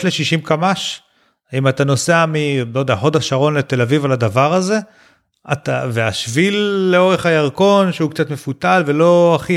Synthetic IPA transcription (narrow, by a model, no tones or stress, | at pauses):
tle̞ʃiʃimkamaʃ | imat̪ano̞seamilojd̪eaħo̞d̪aʃaʁo̞nlet̪e̞lavivalad̪avaʁaze̞ | at̪aveaʃvilːeo̞ʁe̞χajaʁko̞nʃeukt͡sat̪me̞fut̪alve̞lo̞aχi